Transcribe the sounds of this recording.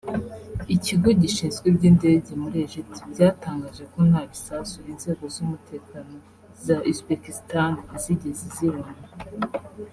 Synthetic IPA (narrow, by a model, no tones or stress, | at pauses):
iciɡoɟiʃiːnzɡwebɟiːnde̞ːɟe̞muɾeʒitbɟaːtaːŋɡaʒe̞ko̞n̥haβisasujinze̞ːɡo̞zumute̞ːkano̞ | zaʔusbekistanaziɟeziziɾana